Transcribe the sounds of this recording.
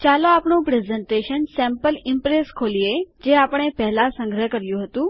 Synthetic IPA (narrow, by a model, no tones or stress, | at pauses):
t͡ʃalõaːpɳũpɾezẽɳʈeʃənsɛ̃mpəlɪmpɾeskʰoːlijed͡ʑeapəɳ̃epɛɦlasə̃ŋɡɾəɦkəɾjũɦət̪ũ